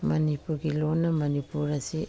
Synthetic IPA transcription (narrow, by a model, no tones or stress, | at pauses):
manipuɡilonamanipuɾasi